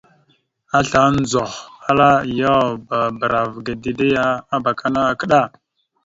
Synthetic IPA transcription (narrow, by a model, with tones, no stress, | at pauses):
a˦ɬa˨˦n˦d͡zo˨xa˦la˦ja˦ba˨bə˨ɾa˨vɡa˨di˨de˦ja˦a˦ba˨kʰa˦na˦a˨kə˦ɗa˦˨